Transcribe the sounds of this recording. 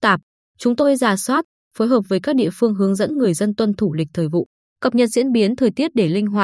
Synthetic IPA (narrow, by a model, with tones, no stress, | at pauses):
t̪aː˨˩p̚ | t͡ɕʊ˨˦ŋ͡mt̪o˧jzaː˧˩swaː˦˥t̚ | fo˨˦jɦəː˨˩p̚vəː˨˦jkaː˦˥k̚ɗḭ˧əfɨ˧əŋɦɨ˨˦əŋzə̰˧˥nŋɨ˨˩əjzə˧nt̪wə˧nt̪ʰu˧˩lï˨˩k̟̚t̪ʰəː˨˩jvṵ˧˨ | kə˨˩p̚ɲə˨˩t̚zḭ˧˥ənɓi˨˦ənt̪ʰəː˨˩jt̪i˦˥ət̚ɗe˧˩lï˧ŋ̟ɦwaː˧˩